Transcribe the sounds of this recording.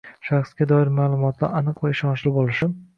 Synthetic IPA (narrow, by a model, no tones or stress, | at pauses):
ʃaχsɡʲad̪ɒɪɾmaːlˠʊmɒt̪ʰla̰ɾanɨqvaɪʃɒnt͡ʃlɪbolˠɪʃɪ